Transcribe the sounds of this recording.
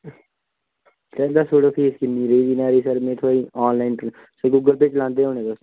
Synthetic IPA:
sɛːd̪aːsʰoːɽopʰeːskɪnːiːɾeiːd͡ʒinaːɾisəɾmẽːt̪ʰoːɾiɔːnlaːɪn | seɡuːɡəlpet͡ʃlãːnd̪eːɦõːñẽːbəs

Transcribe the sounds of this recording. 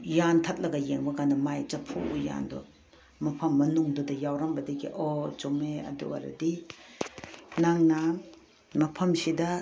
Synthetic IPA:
jantʰat̚lɐɡɐjeŋbɐkanɐmajt͡ʃɐpʰuuja̰ndɔ̰ | mɐpʰɐmːɐnuŋdɔdɐjawɾɐmbɐdekḭʔɔt͡ʃomeɐ̰dṵɐ̰ɾɐ̰di | naŋnɐ | mɐpʰɐmsidɐ

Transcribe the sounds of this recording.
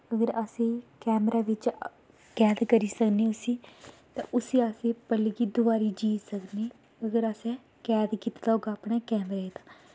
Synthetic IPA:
əɡəɾəsĩːkɛːmɾaːʋɪt͡ʃ | kɛːd̪kəɾiːsəkniːʊsiːt̪ã̰ːʔʊsiːasẽːpəliːɡiːd̪ʊbaːɾiːd͡ʒiːsəkniː | əɡəɾəsɛ̃ː | kɛːd̪kiːt̪d̪aːɦoːɡaːpɳeːkɛːmɾaːeːd̪aː

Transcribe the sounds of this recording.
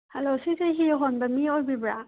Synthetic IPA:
halosɯzɯɦiɦonbamiojbibɾa

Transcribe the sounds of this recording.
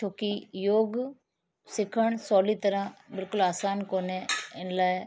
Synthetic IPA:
t͡ʃʰoːkijoːɡ | sɪkʰəɳ̃soːliːt̪əɾãːbɪlkʊlaːsaːnkoːneːɪnlaːe

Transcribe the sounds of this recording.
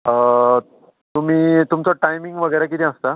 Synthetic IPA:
ə | t̪um̤iːt̪umt͡sɔʈajmiŋɡʋəɡəjɾakit̪ĩəst̪a

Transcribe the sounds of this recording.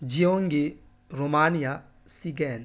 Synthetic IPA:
d͡ʒioŋɡɪ | ɾomanija | siɡɛn

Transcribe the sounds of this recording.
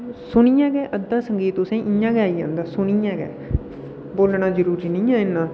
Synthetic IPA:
sʊɳiːjãːɡɛːʔəd̪ːãːsəŋɡiːt̪ʊsẽːʔɪjãːɡɛːiːd͡ʒã̰ːnd̪aːsʊɳ̃iːãːɡɛ̰ː | boːlɳaːzəɾuːɾiːnĩːãːɪnːãː

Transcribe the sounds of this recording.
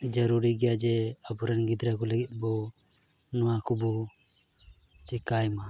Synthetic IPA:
d͡ʒaɾuɾiɡɛjad͡ʒɛabɔɾɛnɡid̪ɾaɡɔlɛɡɛt̪̚ˀbɔ | nɔwakɔbɔ | t͡ʃikajma

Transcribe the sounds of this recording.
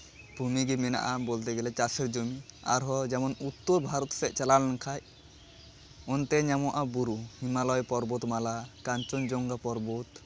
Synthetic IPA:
b̥ʱumiɡimɛna̰ʔabolt̪ɛɡɛlɛt͡ʃasɛɾd͡ʒomia̰ɾɦɔd͡ʒɛmɔnut̪ːɔɾbʱaɾɔt̪sɛʔt͡ʃɛlalnakʰaj | ɔnt̪ɛɲamɔʔabuɾuhimalɔjpɔɾbɔt̪malakant͡ʃɔnd͡ʒɔŋɡapɔɾbɔt̪

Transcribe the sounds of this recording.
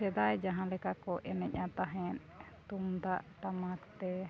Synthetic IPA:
ɛd̪ajd͡ʒaɦãlɛkakɔʔɛnɛc̚ˀat̪aɦɛn | t̪umd̪aʔt̪amakt̪ɛ

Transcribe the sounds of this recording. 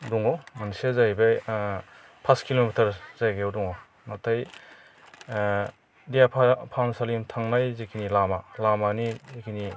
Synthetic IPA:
duŋawmansezajbe | pʰaskilomitʰɐɾzajɡeawduŋaw | natʰaj | dijapʰpʰansalimtʰaŋnajzikʰinilamalamanizikʰini

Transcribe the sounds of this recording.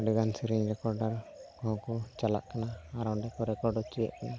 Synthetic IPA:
ɖɛɡansiɾiɲɾɛkɔɾɖaɾkɔɦɔ̃kɔt͡ʃala̰ʔkanaaɾawɳɖɛkɔɾɛkɔɾɖɔt͡ʃijɛ̰ʔkana

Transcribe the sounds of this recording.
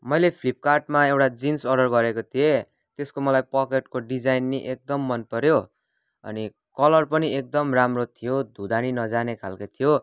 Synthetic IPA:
mʌjlepʰlip̚karʈmaewʈad͡zinsʌɖʌrɡʌɾekot̪ʰie | t̪eskomʌlajpʌkeʈkoɖid͡zajnːiʔek̚d̪ʌmːʌnpʌɾjo | ʌ̰ni | kʌlʌrpʌniek̚d̪ʌmramrot̪ʰijod̪ʱud̪aninʌd͡zanekʰalkot̪ʰijo

